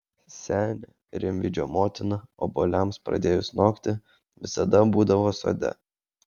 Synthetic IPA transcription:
sʲæːnʲɛ | ɾʲɪmʲʋʲɪd͡ʒʲo̰ːmoːt̪ʲɪnɐoːboːlʲɛmspɾɐ̰d̪ʲeːjʊsnoːkt̪ʲɪ | ʋʲɪsɐd̪ɐbuːd̪ɐʋoːso̰ːd̪ʲɛ̰

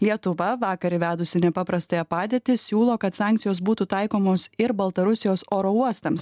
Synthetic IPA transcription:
lʲiɛt̪ʊʋɐʋɑːkɐɾʲɪʋʲæːd̪ʊsʲɪnʲɛpɑːpɾɐst̪ɐjɛpɑːd̪ʲeːt̪ʲɪsʲuːlˠoːkɐt̪sɑːˑŋʲkt̪sʲɪjoːsbuːt̪ut̪ɐɪkoːmoːsɪɾbɐlˠt̪ɐɾʊsʲɪjoːsoːɾouɔst̪ɐms

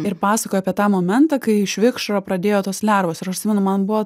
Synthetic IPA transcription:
ɪɾpɑːsɐkojoɑpʲiɛt̪ɑːmoːmʲɛnt̪ɑkɐɪɪʃʲʋʲɪkʃɾopɾɐd̪ʲeːjoːt̪oːslʲɛɾʋoːsɪɾɐʃt̪sʲɪmʲɛnʊmɐnbʊʋɐ

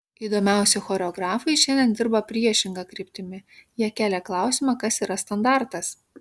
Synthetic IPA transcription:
iːd̪oːmʲæˑʊsʲɛxɔːɾʲɛɔɡɾɑːfɐɪʃʲɛnʲd̪ʲɛnd̪ʲɪɾbɐpʲɾʲiɛʃʲɪŋɡɐkɾʲɪːpʲt̪ʲɪmʲɪjiɛkʲæːlʲɛklˠɑˑʊsʲɪmɑkɐsiːɾɐst̪ɐnd̪ɑˑɾt̪ɐs

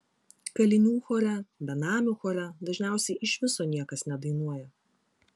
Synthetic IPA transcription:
kɐlʲɪnʲuːxɔːɾʲɛbʲɛnɑːmʲuxɔːɾʲɛd̪ɐʒʲnʲæˑʊsʲɛɪʔɪʃʋʲɪsoːnʲiɛkɐsnʲɛd̪ɐɪnuɔjɛ

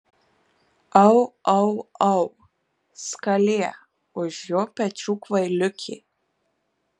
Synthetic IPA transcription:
ɐwɐwɐw | skɐlʲeɛ | ʊʒjoːpʲɛt͡ʃuːkvɐjlʲʊkʲʰɪ̰

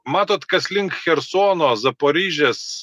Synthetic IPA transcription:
mɑːt̪oːt̪kɐslʲɪŋkxʲɛɾsoːnoːzɐpoːɾʲiːʒʲɛs

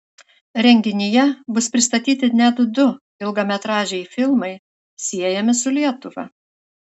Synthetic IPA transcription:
ɾʲɛŋʲɡʲɪnʲɪjɛbʊspʲɾʲɪst̪ɐt̪ʲiːt̪ʲɪnʲɛd̪ʊd̪ʊ | ɪlˠɡɐmʲɛt̪ɾɑːʒʲɛɪfʲɪlˠmɐɪ | sʲiɛjɛmʲɪsʊlʲiɛt̪ʊʋɐ̰

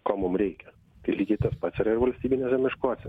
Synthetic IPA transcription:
koːmʊmɾʲɛɪkʲɛ | t̪ɐɪlʲiːɡʲɛɪt̪ɐspɑt̪sʲɪɾɐɪɾʋɐlʲsʲt̪ʲiːbʲinʲɛsɐmʲɪʃkoːsʲɪ

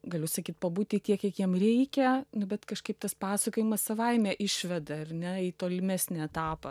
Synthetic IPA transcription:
ɡɐlʲʊsɐkʲiːt̪̚pɐbuːtʲit̪ʲiɛkʲiɛkjiɛmrʲɛɪkʲɛnʊbʲɛt̪kɐʃkɐɪp̚t̪ɐspɑːsɐkoːjɪmɐssɐʋɐɪmʲɛʔɪʃʲʋʲɛd̪ɐɐrnʲɛiːt̪oːlʲɪmʲæːsʲnʲɛɛt̪ɑːpɐ

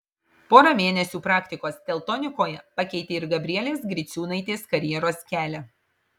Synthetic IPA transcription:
poːɾɐmʲeːnʲɛsʲuːpɾɑːkʲt̪ʲɪkoːst̪ʲɛlˠt̪ɔnʲɪkoːjɛpɑkʲɛɪt̪ʲeːɪɾɡɐbʲɾʲɪiɛlʲeːsɡɾʲɪsʲuːnɐɪt̪ʲeːskɐɾʲjɛɾoːskʲæːlʲɛ

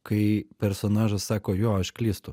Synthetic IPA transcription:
kɐɪpʲɛɾsoːnɑːʒɐssɑːkoːjoːɐʃkʲlʲiːst̪ʊ

